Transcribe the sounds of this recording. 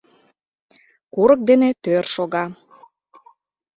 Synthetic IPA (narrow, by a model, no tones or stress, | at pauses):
kuɾək̚d̪enet̪ørʃoɣɑ